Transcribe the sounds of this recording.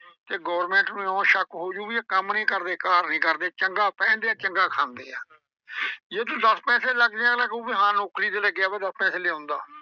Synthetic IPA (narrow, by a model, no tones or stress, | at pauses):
t̪eːɡoːɾmɛ̃ːɳʈnũːõːʃəkɦoːd͡ʒuːiːaːkəmnĩːkəɾd̪eːkaːɾnĩːkəɾd̪eːt͡ʃəŋɡaːpɛ̃ːnd̪eːaːt͡ʃəŋɡaːkʰãːnd̪eːaː | jeːt̪ũːd̪əspɛːseːləɡd̪eãːnãːkũːiɦãːnoːkɾiːt̪eləɡɪjaːbeːd̪əspɛːseːleãːnd̪a̰ː